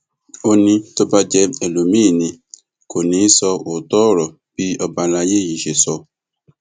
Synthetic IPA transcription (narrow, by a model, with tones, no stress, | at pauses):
o˧nĩ˧to˦ba˦d͡ʒɛ˧e˨lo˨mĩː˦˨nĩ˧ | ko˨nĩ˨˦sɔ˧o˨tɔ˦˨ɾɔ˨ | b̥i˦ɔ˦ba˧la˧je˦˨ji˨ʃe˨sɔ˧˦